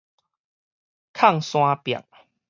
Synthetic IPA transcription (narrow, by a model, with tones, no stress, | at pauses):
kʰa˥˨ŋsw̃ã˧˦pja̰˨ŋ